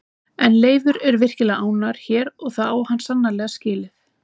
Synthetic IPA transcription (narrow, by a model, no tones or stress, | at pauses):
ɛnleːjvʏɾɛɾvɪr̥cɪlɣaːwnaɾ̥çɛːɾɔɣθaðawhanːsanːalɛːɣascɪːlɪθ